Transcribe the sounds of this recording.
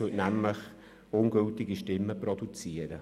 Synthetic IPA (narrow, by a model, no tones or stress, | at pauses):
øʔnæmləχ | ʊnɡɵltɪɡiʃtɪmːəprɔdut͡siəɾə